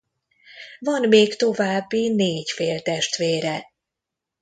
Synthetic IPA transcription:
vɒnmeːkt̪o̞vaːbːineːɟfeːlt̪ɛʃt̪ʋeːɾɛ

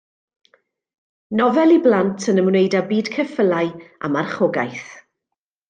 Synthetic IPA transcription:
nɔvɛlˠiblˠantʰənəmnejdabiːd̥kʰəfəlˠaja̰marχɔɡajθ

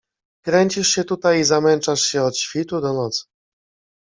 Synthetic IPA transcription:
kɾɛɲt͡ɕiʂɕɛt̪ut̪ajizamɛnt͡ʂaʂɕɛɔt̪ɕfʲit̪ud̪ɔnɔt̪s

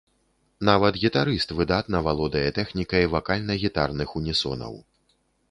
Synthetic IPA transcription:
navɐt̪ɣʲit̪aɾɨst̪vɨd̪at̪nɐvalˠɔd̪ɐjɛt̪ɛxnʲikɐivakalʲnɐɣʲit̪arnɨxunʲisɔ̰nɐ̰w

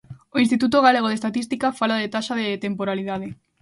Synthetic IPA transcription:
oinst̪it̪̬ut̪oɣaleɣoð̞est̪at̪ist̪ikafalaðet̪aʃaðet̪empoɾaliðað̞ɪ

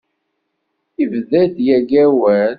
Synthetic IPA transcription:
ivðæθjæɡæwæl

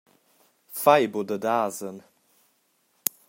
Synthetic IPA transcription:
fajbodədaːzən

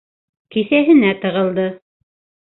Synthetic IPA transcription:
kiθæɦɘ̆næt̪ɤ̆ʁɤ̆lˠd̪ɤ

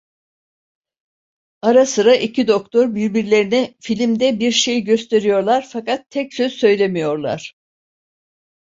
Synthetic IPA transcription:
aɾasɯɾaʔicʰid̪o̞k̚t̪ʰo̞ɾbiɾbiɾlʲe̞ɾinɛfilʲimd̪ɛbiɾʃe̞jɟø̞st̪ʰe̞ɾijo̞ɾlˠaɾ̥fakat̪ʰːɛcsøz̥sø̞jlʲe̞mijo̞ɾlˠa̰ɾ̥

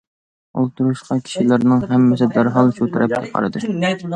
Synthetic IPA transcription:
o̰lˠt̪ʰuɾuʃqʰɑkʲʰi̥ʃilɪɾnɪŋɦɛmːɪsɪd̪æɾɦɑlˠɨsøt̪ʰɪɾʔɛp̚kʲʰɛ̰qʰɑ̰ɾɨd̪ɨ

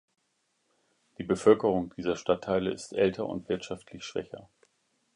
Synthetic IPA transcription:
d̥iːbəfœlkəʁ̞ʊŋd̥iːzɐʃtatʰːaɪləɪ̰stʔɛltʰɐʊ̰ntv̥ɪɐtʃaftʰlɪçʃv̥ɛ̰çɐ̰

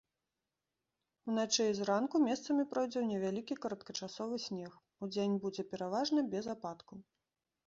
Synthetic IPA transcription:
unat͡ʂɛjzɾankumʲɛst̪sɐmʲipɾɔjd͡zʲɛwnʲɛvʲalʲikʲikɐɾɐt̪kɐt͡ʂasɔvɨsʲnʲɛx | ud͡zʲenʲbud͡zʲɛpʲɛɾavaʐnɨbʲɛzapat̪ku

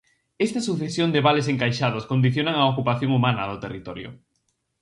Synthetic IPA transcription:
ɛst̪ɐsuθesjond̪ɪβales̬eŋkajʃaðʊskond̪iθjonaŋaokupaθjoŋumanɐðʊt̪erit̪ɔɾjʊ̰

